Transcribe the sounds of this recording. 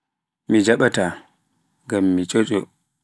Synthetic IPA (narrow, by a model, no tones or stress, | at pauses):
mid͡ʒaɓata | ŋɡamːit͡ʃʼot͡ʃʼɔ